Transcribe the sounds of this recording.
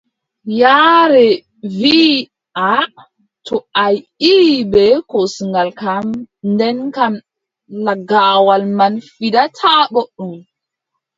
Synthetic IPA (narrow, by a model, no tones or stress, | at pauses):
jaɾɛ | vi | ʔa | tʰɔajibɛkosiŋɡalkamndɛnkam | laɡaːwalmanfidatʰaɡɔɗːum